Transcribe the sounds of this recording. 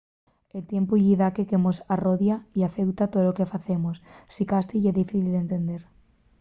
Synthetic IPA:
elt̪jempuʎiðakekemosaroðjaiafewt̪at̪olokefaθemossikast̪iʝeðifiθild̪ent̪end̪eɾ

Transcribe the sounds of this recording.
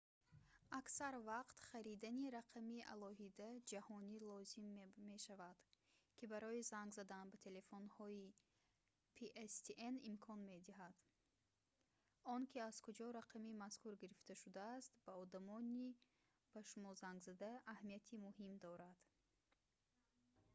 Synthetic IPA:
aksaɾvaqt̪χaɾid̪aniɾaqʰamiʔa̰lɔɦid̪ad͡ʒahɔnilɔzimːe̞ʃavad̪̥ | kʰibaɾɔizaŋɡzad̪anbat̪ʰe̞le̞fonhɔi | pʰeʔest̪ʰiʔenimkʰɔnme̞d̪iɦad̪̥ | ɔnkʰiaz̥kʰud͡ʒɔɾaqʰamimaskuɾɡiɾift̪ʰaʃud̪aːst̪baɔd̪amɔni | b̥aʃumɔzaŋɡzad̪aːhmiat̪ʰimuhimd̪ɔɾad̪̥

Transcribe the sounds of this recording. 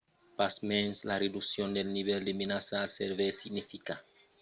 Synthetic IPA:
pasmenslared̪usjond̪elniβeld̪emenasaseɾβesiɡnifika

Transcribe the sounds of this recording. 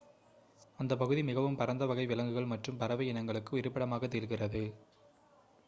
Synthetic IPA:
ɐnd̪ɐp̬ːɐɣɯðimɪɣɐʋɯmpɐɾɐnd̪ɐʋɐɣɐɪʋɪlɐŋɡɯɣɐɭmɐʈrɯmpɐɾɐʋɐɪɪnɐŋɡɐɭɯkːɯɪɾɯpːɐɽɐmaːɣɐt̪ːeːɾɣɪrɐðɯ

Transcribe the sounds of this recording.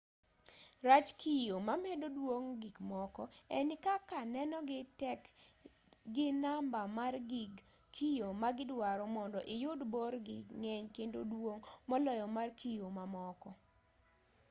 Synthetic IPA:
rat͡ʃkʰijomamɛdodwoŋɡikmɔkɔɛnɪkakanɛnɔɡɪtɛk | ɡɪnambamarɡikʰijomaɡɪdwaɾɔmɔndɔʔɪjʊdborɡɪŋɛɲkendodwoŋmɔlɔjɔmarkʰijomamɔkɔ

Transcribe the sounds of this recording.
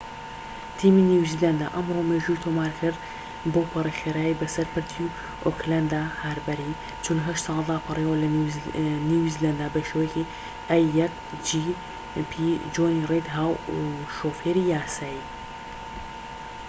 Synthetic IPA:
t̪ʰiːminiwziland̪a̰ʔɐmromeːʒuːit̪ʰoːmaːɾkʰɨɾd̪ | boːpʰɨrexeːɾaːjibɐsɐɾpɨɾt̪ʰi | ʔokland̪ahaɾbɐɾiː | t͡ʃʰʊnɦɐʃt̪sɑːlˠd̪aːpʰɨrewɐl | niwiziland̪aːbɐʃewjeki | ʔɐjːɐk̚ | d͡ʒi | pʰid͡ʒoːnired̪ɦaːwuʃoːfeːɾijaːsaːiː

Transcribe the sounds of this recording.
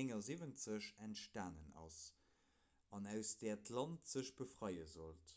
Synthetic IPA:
eŋɐzivənt͡səɕæntʃtaːnənɑ̰s | ɑnæʊsd̥ɛːɐtʰlɑntz̥əɕb̥əfʁɑjəzolt

